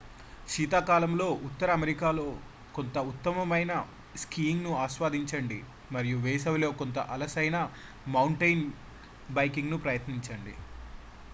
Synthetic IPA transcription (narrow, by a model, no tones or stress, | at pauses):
ʃiːt̪aːkaːlɐmlo̞ːʔut̪ːɐɾɐːmeɾikaːlo̞ː | ko̞nt̪ɐut̪ːɐmɐmɐjnɐ | skiːŋɡnuaːʃʋaːd̪ʱiɲt͡ʃɐɳɖi | mɐɾijuʋɛːsɐʋilo̞ːkont̪ɐ̰ʔɐlɐsɐjnɐ | mɐwɳʈɐjn | bɐjkiŋɡnupɾɐjɐt̪niɲt͡ʃɐɳɖḭ